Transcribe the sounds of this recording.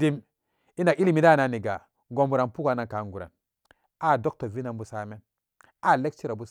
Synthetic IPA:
i˦m | i˦na˨ʔi˦li˨mi˨da˦˨na˨ni˨ɡa˨ | ɡo˨mbu˨ɾa˨npu˦ɡa˨na˨ŋka˨ŋɡu˨ɾa̰˨n | a˦˨do˦k̚to˨vi˦na˨nbu˦sa˦me˦n | a˦˨le˦k̚t͡ʃi˦ɾa˨bu˦

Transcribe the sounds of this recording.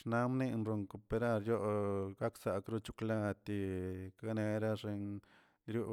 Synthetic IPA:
ʂna˦mni˦˧nɾo˧ŋko˨pe˧ɾa˦ɾjo˦ɡa˦ksa˨kɾu˦t͡ʃu˧kla˧t̪i˧ka˦ne˧ɾa˦ʐe˧n | ɾju˦˧

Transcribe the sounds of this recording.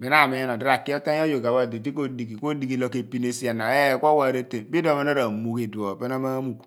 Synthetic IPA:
bɛ˨n˦a˦˨me˨˦n˨ɔ˨di˦ɾa˨ki˦ɔ˦ta˦o˦jo˨ɡa˨ba˦˨de˨di˦k̬o˦di˨ɡi˨ko˦di˨ɡi˨lo˨ke˨pi˦ne˦si˦a˨na˨ɛ˦˨kʷɔ˦wa˨ɾe˦te˨bi˦do˦˨me˦na˦ɾa˨mo˨ke˨du˨o˨pe˦na˦ma˦mu˨k

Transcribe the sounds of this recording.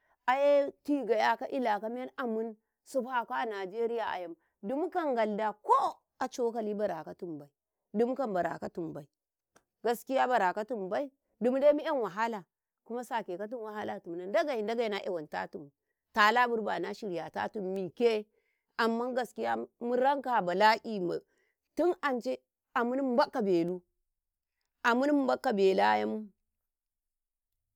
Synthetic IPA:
a˨je˦ti˦ɡa˨ja˨ka˦ʔi˦la˨ka˦m˦e˦na˨mu˦n | su˦ba˨ka˦a˦˨na˨d͡ʒe˦ɾi˦ja˨a̰˨ja˨m | du˦m˦ka˦ŋɡa˨lda˨ko˦ | a˨t͡ʃo˦ka˨li˦ba˨ɾa˨ka˦tu˨mba˨i˨ | du˦m˦ka˦˨mba˨ɾa̰˨ka˦tu˨mba˨i˨ | ɡa˦ski˦ja˦ba˨ɾa˨ka˦tu˨mba˦i˦ | du˦m˦de˦mi˦e˦nwa˨ɦa˦la˨ | ku˦ma˦sa˨ke˨ka˦t̬u˦nwa˨ɦa˦la˨tu˨m˨na˨nda˦ɡa˨i˨nda˦ɡa˨i˦na˦ʔe˨wa˨nta̰˦tu˨m˨ | ta˨la˦bu˦ɾba˨na˦ʃi˨ɾja˨ta̰˦tu˦mːi˨ke˦ | ʔa˨mːa˦ŋɡa˦ski˦ja˦mu˦ɾa˦ŋka˨ba˨la˦ʔi˦ma̰˨ | tu˦na˨nt͡ʃe˦ | a˨mu˦ni˦m˦ba˦kːa˨be˨lu˦ | ʔa˨mu˦n˦m˦ba˦kːa˨be˨la˦ja˦mu˦

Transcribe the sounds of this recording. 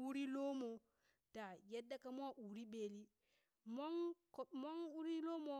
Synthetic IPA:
u˦ɾi˦lo˦mo˨ | da˨je˦dːa˦ka˦mo˦a˦˨ʔu˨ɾi˦ɓe˨li˦ | mo˦ŋkmo˦ŋu˦ɾi˦lo˦mo˦

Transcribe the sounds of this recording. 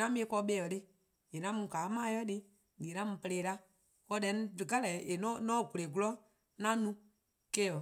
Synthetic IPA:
nã˦mĩ˦˧e˧˦kɔ˧˦ɓeː˧˦˨ɔ˨de˦ | je˨nã˨˦mũ˧˨kaː˨˦mãː˦jɔ˦de˧ | ɡe˨nã˦mũ˧pə˧eː˧˨la˦ | kɔ˧˦dɛ̃˧˦n˦dɨ˨ka˦lɛ˨e˨nɔ̃˦nɔ̃ː˦˨ɡu˨le˨ku˦lɔ˦ | nã˦nũ˧ | ke˦ɔ˨

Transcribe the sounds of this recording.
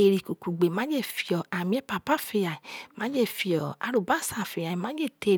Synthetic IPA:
e˨ɾi˨ku˨ku˨ɡ͡be˨mã˨˦d͡ʒe˦˨fi˧ɔ˨a˨mĩ˦ɛ˦pa˧˨pa˦fe˧ja˨i˨mã˨˦d͡ʒe˦˨fi˧ɔ˨a̰˧ɾo˨ba˦˨sa˨fe˧˨ja˨i˨mã˨˦d͡ʒe˦˨te˧˨

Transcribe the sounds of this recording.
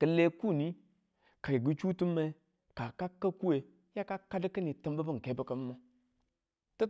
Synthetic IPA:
kə˨le˦ku˦˨ni˦ | ka˨i˨ɡu˦t͡ʃu˦tu˦mːe˦ | ka˨ka˦kːa˦ku˦e˨ | ja˦ka˦ka˦dkə˦ni˨tə˦m˦ba˦bə˦ŋ̩˨ke˨˦bə˦ka˨˦ma˦ | tə˦

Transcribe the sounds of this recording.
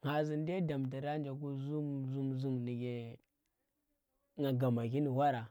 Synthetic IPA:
ŋa˨zi˨n˦de˦da˨mta˨ɾa˦n˦d͡ʒa˨k̬u˦zu˦mzu˦mzu˦mni˨ɡe˨ | ŋa˨ɡa˨ma˨k̬i˦ni˨wa˦ɾa˨

